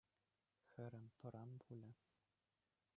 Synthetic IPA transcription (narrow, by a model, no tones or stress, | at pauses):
xɘ̆ɾɘ̆nt̪ɤ̆ɾɑnbulʲɘ̆